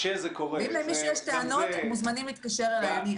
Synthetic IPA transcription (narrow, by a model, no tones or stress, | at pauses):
ʃezekoʁeveimlaimjeʃleʃt̪eanot̪muzmanimlit̪kaʃeʁalaani